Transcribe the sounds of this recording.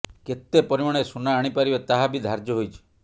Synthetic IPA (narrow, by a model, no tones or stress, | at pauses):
ket̪ːepɔɾimaɽ̃esunaːɽ̃ipaɾibet̪aɦabid̪ʱaɾd͡ʒɔɦojt͡ʃʰi̥